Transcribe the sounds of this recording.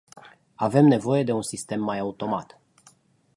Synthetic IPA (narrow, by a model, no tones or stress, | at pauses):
ave̞mne̞vo̞je̞d̪e̞unsist̪e̞mːajaut̪o̞mat̪